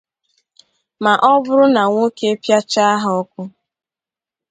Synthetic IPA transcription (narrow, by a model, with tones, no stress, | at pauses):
ma˨ʔɔ˦bʊ˦ɾʊ˦na˨ŋʷo˦ke˦e˦pja˦t͡ʃa˦a˦ɦɔ˦kʷʊ˦